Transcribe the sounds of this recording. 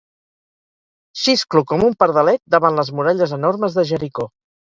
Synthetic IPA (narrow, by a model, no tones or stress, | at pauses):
ʃisklukɔmumpəɾð̞əlɛt̪̚d̪əβanləzmuɾɛʎəzənoɾməzðəʒəɾiko